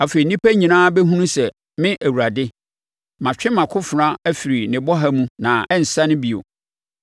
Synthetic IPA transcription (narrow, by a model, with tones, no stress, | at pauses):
a˨fe˨i˨nĩ˦pʰæ˦ɲĩ˨nãː˦bɛ˦ɦũ˦nũ˦sɛ˨ | mɪ̃˦ʔæ˨wu˨ɾa˨dɪ˦ | mã˨t͡ɕᶣɪ̃˦mã˨kʰʊ˦fɾã˦æ˦fi˨ɾi˨nɪ̃˨bɔ˦ɦa˦mũ˦nã˨ɛ˦n̩˨sa˦nɪ̃˦bi˨o̰˨